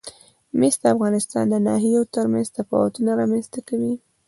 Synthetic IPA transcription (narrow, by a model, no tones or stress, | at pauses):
mest̪d̪əafɣɑnɪst̪ɑ̰nd̪ənɑɦijot̪əɾmanzt̪afɑ̰wat̪unaɾɑmanst̪akawi